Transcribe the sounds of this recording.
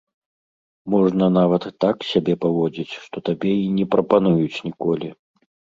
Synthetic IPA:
mɔʐnɐnavɐt̪ːaksʲabʲɛpavɔd͡zʲit͡sʲʂt̪ɔt̪abʲɛinʲɛpɾɐpanujut͡sʲnʲikɔlʲi

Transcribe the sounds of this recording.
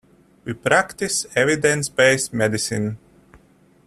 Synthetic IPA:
wipɾakt̪isɛvid̪ɛ̃nsbɛjsmɛd̪isin

